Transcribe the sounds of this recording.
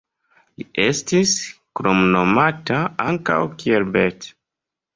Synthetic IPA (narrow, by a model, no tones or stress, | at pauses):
liʔe̞stiskɾomno̞mataaŋka̰wkielbet